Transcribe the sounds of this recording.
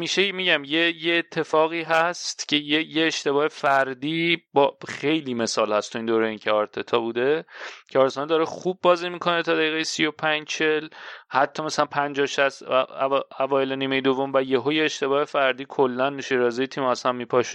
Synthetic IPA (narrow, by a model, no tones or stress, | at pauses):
miːʃemiːɟæmjejeːt̪ʰːe̞fɒːɣiːɦæst̪cʰe̞jejeːʃt̪e̞bɒːhefæɾd̪iːbɒxe̞jliːme̞sɒːlhæst̪ʰoiːnd̪oːɾeiːncʰeɒɾt̪ʰe̞t̪ʰɒːbuːd̪e̞cʰeɒːɾsɔːnɛd̪ɒɾeχubːɒːzimikʰo̞net̪ʰɒːd̪æiːɣejesijo̞pʰænd͡ʒt͡ʃʰelhæt̪ʰːɒmæsælænpʰænd͡ʒɒːʃæs | ævɒːjeleniːmejed̪ovːomvæjeɦojeːʃt̪e̞bɒːhe̞fæɾd̪iːkʰolːænːeʃeɾɒːzejet̪ʰiːmæsæmmiːpʰɒʃ